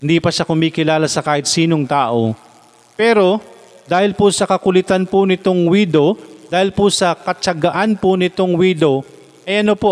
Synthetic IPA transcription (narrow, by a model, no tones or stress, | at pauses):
hɪnd̪iːpɐʃakʊmiːkɪlaːlɐsɐkaːhɪt̪̚siːnoŋt̪aːʔo̞̰ | pɛːɾo̞ | d̪aːhɪlpʊsɐkɐkʊlɪt̪anpʊnɪt̪oŋwiːd̪o̞d̪̥aːhɪlpʊsɐkɐt͡ʃɐɡɐʔanpʊnɪt̪oŋwiːd̪o̞ | ʔɐjʔɐnopo